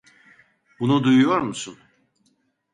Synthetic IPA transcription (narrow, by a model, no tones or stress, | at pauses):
bunud̪ujujoɾmusun